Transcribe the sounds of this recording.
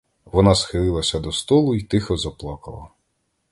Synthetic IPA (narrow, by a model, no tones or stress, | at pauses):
ʋɔnɑsxɪlˠɪlˠɐsʲɐd̪ɔst̪ɔlˠʊit̪ɪxɔzɐplˠɑkɐlˠɐ̰